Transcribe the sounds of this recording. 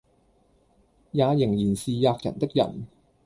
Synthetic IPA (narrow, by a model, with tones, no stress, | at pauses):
jaː˨˧jɪ˨˩ŋjiː˨˩nsiː˨jaː˧k̚jɐ̰˨˩nt̪ɪ˥k̚jɐ̰˨˩n